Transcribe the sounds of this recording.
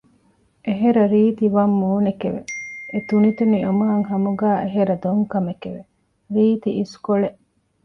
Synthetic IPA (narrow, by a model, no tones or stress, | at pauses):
ʔeɦeɾɐɾiːt̪iʋɐmːuːnekeʋḛet̪unit̪uniomɐɐŋɦɐmuɡæːeɦeɾɐd̪oŋkɐmekeʋe | ɾiːt̪iiskoɭeʔ